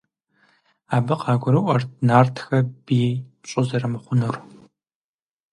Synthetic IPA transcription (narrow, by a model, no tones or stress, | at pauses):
aːbɨqɑːɡʷʊɾɨʔʷɐrtnaːrtʰxɐbiːɕʼʊzɐrɨmɨχʷʊnur